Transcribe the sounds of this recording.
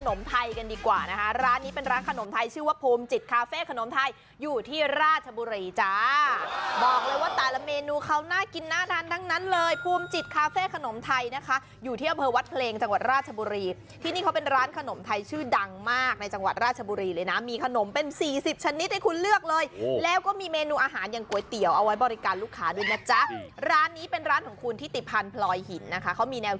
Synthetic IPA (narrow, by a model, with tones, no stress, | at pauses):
kʰno˩˦mt̪ʰa˧jka˧ndiː˧kwaː˨˩na˦˥kʰa˦˥ɾaː˦˥nːiː˦˥pe˧nɾaː˦˥nkʰa˧no˨˩˦mt̪ʰa˧jt͡ɕʰɯː˥˩waː˥˩pʰuː˧mt͡ɕi˨˩t̪̚kʰaː˧feː˥˩kʰa˧no˨˩˦mt̪ʰa˧jː | uː˨˩t̪ʰiː˥˩ɾaː˥˩t̪̚t͡ɕʰa˧buː˧ɾiː˧t͡ɕa˧˩ | bɔː˨˩k̚lɤː˧jwaː˥˩t̪ɛː˨˩la˧˥meː˧nuː˧kʰa˦˥wnaː˥˩ki˧nːaː˥˩t̪ʰaː˧nt̪ʰa˦˥ŋna˦˥nlɤː˧jpʰuː˧mt͡ɕi˨˩t̪̚kʰaː˧feː˥˩kʰa˧no˨˩˦mt̪ʰa˧jna˦˥kʰa˦˥ | juː˨˩iː˥˩a˧mpʰɤː˧wa˦˥t̪̚pʰleː˧ŋt͡ɕa˧ŋwa˨˩t̪̚ɾaː˥˩t̪̚t͡ɕʰa˧buː˧ɾiː˧ | t̪ʰiː˥˩niː˥˩kʰa˦wpe˧nɾaː˦˥nkʰa˧no˩˦mt̪ʰa˧jt͡ɕʰɯː˥˩da˧ŋmaː˥˩k̚na˧jt͡ɕa˧ŋwa˨˩t̪̚ɾaː˥˩t̚t͡ɕʰa˧buː˧ɾiː˧lɤː˧jna˦˥miː˧kʰa˧no˩˦mpe˧nsiː˨˩si˨˩p̚t͡ɕʰa˧ni˦˥t̪̚ha˥jkʰu˧nlɯ˥˩ək̚lɤː˧jlɛː˦˥wkɔː˥˩miː˧meː˧nuː˧ʔaː˧ɦaː˩˦nja˨˩ŋku˨˩ə˦jt̪i˨˩˦əwʔa˧wa˦˥jbɔː˧ɾi˦˥kaː˨nluː˦˥˩kʰːaː˦˥du˥˩əjna˦˥t͡ɕa˦˥ɾaː˦˥nːiː˦˥pe˧nɾaː˦˥nkʰɔː˩˦ŋkʰu˧nt̪ʰiː˥˩t̪i˨˩pʰːaː˧npʰlɔː˧jhi˨˩˦nːa˦˥kʰa˦˥kʰa˦˥wmiː˧nɛː˧w